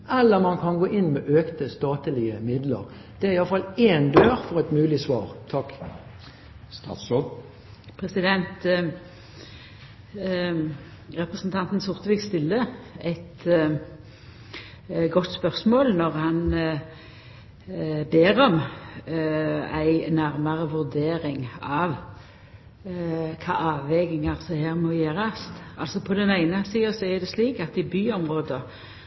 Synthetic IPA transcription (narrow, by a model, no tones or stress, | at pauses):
ʔɛlːəʁmɑnkʰɑnɡoːʔɪnmeːʔøːkt̪əst̪ɑːt̪əlɪəmɪd̪ləʁ | d̪̥ɛæɪjɑləfɑleːnd̪øːʁfɔʁɛɪt̪mʉːlɪsʋɑːʁt̪ʰɑkː | pʰʁɛsɪd̪ɛnt̪ | ʁɛpʁəsn̩t̪ʰɑnt̪n̩sʊʁt̪əʋiːɡst̪ɪlːəɛɪt̪ | ɡɔt̪ːspœʁsmoːlnɔʁhɑn | beːʁɔm | æɪnæɾməʁəʋʉɾd̪eːɾɪŋɑʋ | kʰɑ̰ːʔɑːʋːɛɡɪŋəʁsɔheːʁmɔɪjeːʁɑst̪ɑlsɔpʰɔd̪ɛnæɪnəsiːəsɔæd̪ɛsliːkɑt̪d̪ɪbyːɔmʁoːd̪ə